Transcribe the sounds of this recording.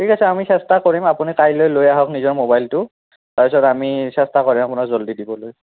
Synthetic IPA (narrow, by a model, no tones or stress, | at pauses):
tʰikasɛamisɛstakoɹimapunikajlojlojaɦɔknizɔɹmobajltʊ | taɹpisɔtamisɛstakoɹimapunakzoldidibɔloj